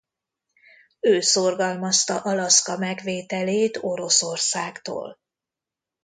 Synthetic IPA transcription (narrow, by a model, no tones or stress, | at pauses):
øːso̞rɡɒlmɒst̪ɒʔɒlɒskɒmɛɡʋeːt̪ɛleːt̪o̞ɾo̞so̞rsaːɡt̪o̰ːl